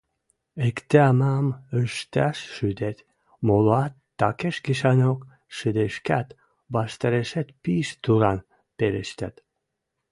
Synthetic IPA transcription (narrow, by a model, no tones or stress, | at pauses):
ekt̪eɑmɑməʃt̪æʃːyd̪et̪ʲ | moloɑt̪ːɑkeʃɡiʃɑnok | ʃɨd̪eʃkæt̪ | bɑʃt̪eɾeʃet̪piʃt̪uɾɑn | peɾeʃt̪æt̪